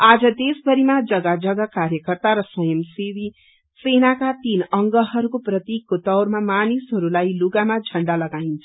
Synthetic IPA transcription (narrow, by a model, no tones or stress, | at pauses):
ad͡zʌd̪esbʌɾimad͡zʌɡad͡zʌɡakaɾjʌkʌrt̪aɾʌswʌjʌmsibi | senakat̪inʌŋɡʌɦʌɾukoprʌt̪ikːot̪ʌwrmamanisɦʌɾulajluɡamad͡zʱʌɳɖalʌɡaint͡sʰʌ